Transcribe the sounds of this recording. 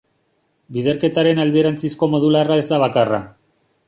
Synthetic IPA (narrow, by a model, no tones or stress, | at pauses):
biðe̞ɾke̞t̪aɾe̞nald̪eɾant͡sisko̞mo̞ðularae̞zd̪aβakara̰